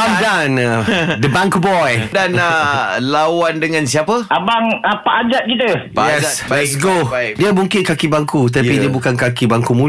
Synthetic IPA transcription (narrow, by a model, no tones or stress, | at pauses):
amdanad̪əbãŋkubɔjdanalawandəŋãnsiapəʔabaŋapaʔad͡ʒat̪̚kit̪əjɛɛsɡodiəmuŋkɪnkakibaŋkut̪̬apidiabukankakibaŋkumu